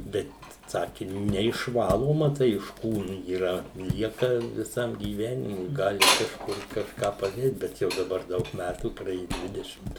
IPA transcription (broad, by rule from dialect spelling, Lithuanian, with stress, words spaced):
ˈbʲɛt ˈsɑːkʲɪ nʲɛɪʃˈʋɑːlˠoːmɐ ˈtɐɪ ɪʃ ˈkuːnʊ iːˈrɐ ˈlʲiɛkɐ ʋʲɪˈsɐm ɡʲiːˈʋʲæːnʲɪmʊɪ ˈɡɑːlʲɪ kɐʃˈkʊr kɐʃˈkɑː pɐˈdʲeːt ˈbʲɛt ˈjɛʊ dɐˈbɐr ˈdɐʊk ˈmʲætuː prɐˈeːjʊ ˈdʲʋʲɪdʲɛʃʲɪmt